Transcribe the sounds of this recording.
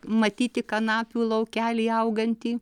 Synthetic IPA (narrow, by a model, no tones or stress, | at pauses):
mɐt̪ʲiːt̪ʲɪkɐnɑːpʲuːlˠɐʊkʲæːlʲeːɐʊɡɐnʲt̪ʲiː